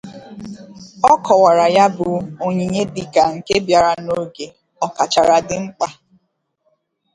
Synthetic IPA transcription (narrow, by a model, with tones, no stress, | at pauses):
ɔ˦kɔ˨wa˨ɾa˨ja˦bʊ˨o˦ɲi˨ɲe˦dɪ˨ka˨ŋ̩˨ke˦bja˨ɾa˨no˦ɡe˨ | ɔ˨ka˨t͡ʃa˨ɾa˨dɪ˦ŋ͡m̩˦k͡pa˦